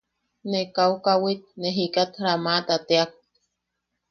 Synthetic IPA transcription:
nekaukawit̪̚neɦikat̪ɾamat̪at̪eak̚

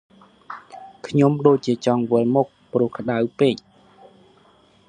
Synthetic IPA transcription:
kʰɲomɗoːc̚t͡ɕiət͡ɕɑŋʋɨəlmuk̚prʊ̆əhkʰə̆ɗawpeːc̚

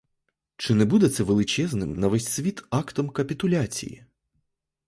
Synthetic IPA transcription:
t͡ʂɨnɛbud̪ɛt̪sɛvɛlˠɨt͡ʃɛznɨmnɐvɛsʲsʲvʲit̪akt̪ɔmkɐpʲit̪ʊlʲat͡sʲḭjḭ

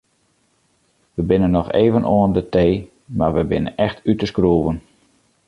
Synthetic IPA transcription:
ʋəbɪnənːɔxḛːvənʔoəndəteː | ma̰rʋəbɪnə̰nɛxtʰytəskruəvən

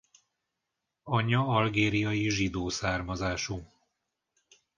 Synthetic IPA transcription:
ɒɲɒɒlɡeːɾijɒjiʒid̪oːsaːrmɒzaːʃu

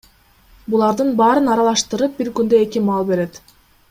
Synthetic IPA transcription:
bulˠɑɾd̪ɯnbɑːɾɯnɑɾɑlˠɑʃt̪ɯɾɯp̚biɾkynd̪øe̞kimɑlˠbe̞ɾe̞t̪

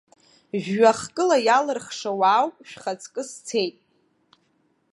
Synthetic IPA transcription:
ʒᶣːaχkʼɨlajalɨrχʂawaːwpʼʃᶣχat͡sʰʼkʼɨst͡sʰejtʼ

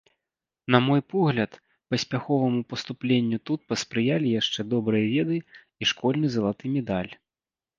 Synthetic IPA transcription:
nɐmɔjpɔɣlʲɐt̪ | pɐsʲpʲaxɔvɐmupɐst̪uplʲenʲːut̪ut̪̚pɐspɾɨjalʲijaʂt͡ʂɛd̪ɔbɾɨjɐvʲɛd̪ɨ | iʂkɔlʲnɨzɐlˠat̪ɨmʲɛd̪alʲ

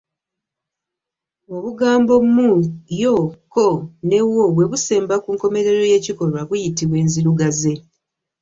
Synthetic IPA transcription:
o̞βuɡaːmbo̞mmujokone̞woβwe̞βuse̞ːmbakuːŋko̞me̞ɾe̞ɾo̞je̞ːciko̞ɾwaβujitiβwe̞ːnziɾuɡaze̞

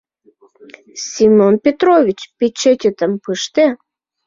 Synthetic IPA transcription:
sʲimonpʲet̪ɾovʲit͡ɕpʲet͡ɕet̪ʲet̪əmpɨʃt̪e

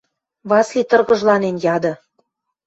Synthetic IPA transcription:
βɑslit̪ɤ̆rɣɤ̆ʒlɑnenjɑd̪ɤ̆

